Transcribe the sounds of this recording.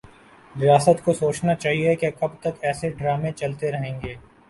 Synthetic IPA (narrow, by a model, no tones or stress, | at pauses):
ɾɪjaːsət̪kosoːt͡ʃnat͡ʃaːɦiekekɐbt̪ɐkɛːseɖɾaːmẽt͡ʃɐlt̪eɾɐɦẽːŋɡeː